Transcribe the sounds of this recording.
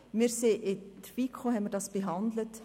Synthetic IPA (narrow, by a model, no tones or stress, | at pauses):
mɪɾseʔɪd̥̪əv̥ikʰχoɦɛnmɪɾdɑːsb̥eɦɑnd̪lət